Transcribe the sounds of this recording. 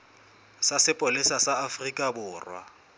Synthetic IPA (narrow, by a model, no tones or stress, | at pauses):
sasɪpʼolɪsasaafrikʼabʊːrwa̰